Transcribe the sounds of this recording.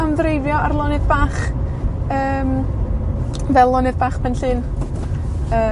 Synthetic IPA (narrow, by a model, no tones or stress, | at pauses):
amðɾejvjɔarlˠɔnɨðbaːχ | əːm | vɛlˠɔnɨðbaːχpɛnɬɨn | əː